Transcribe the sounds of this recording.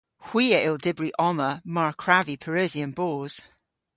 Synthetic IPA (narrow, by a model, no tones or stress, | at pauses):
hw̥iːəʔɪlˠdɪbɹiʔɔməmaɹkʰɹ̥avipʰəɹɛːziə̃nboːz̥